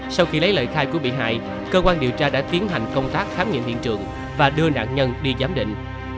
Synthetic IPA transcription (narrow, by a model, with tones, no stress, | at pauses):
sa˧wxi˧lə˨˦jlə̰ː˧˨jxaː˧jku˧˩əɓḭ˧˨ɦa̰ː˧˨j | kəː˧kwaː˧nɗi˨˩əwt͡ɕaː˧ɗa̰ː˧˥t̪i˨˦ənɦa˨˩jŋ̟kə˧wŋ͡mt̪aː˦˥k̚xaː˦mŋḭ˧˨ənhḭ˧˨ənt͡ɕɨ̰˨˩əŋ | vaː˨˩ɗɨ˧əna̰ː˧˨ŋɲə˧nɗi˧zaː˨˦mɗḭ̈˧˨ŋ̟